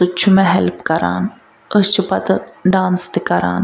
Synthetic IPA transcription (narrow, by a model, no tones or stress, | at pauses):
t̪ʊt͡ʃʰumɛɦɛlpkɐɾa̰ːn | əst͡ʃʰupɐt̪ɖaːnst̪ikɐɾa̰ːn